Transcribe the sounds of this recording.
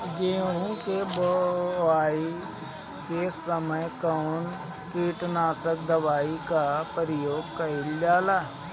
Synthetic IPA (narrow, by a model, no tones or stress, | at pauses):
ɡeːɦõkebəʋaːi | kesəməjkɔːn | kiːʈnaːsək̚d̪əʋaːikapəɾɪjoːɡkɐɪld͡ʒaːlaː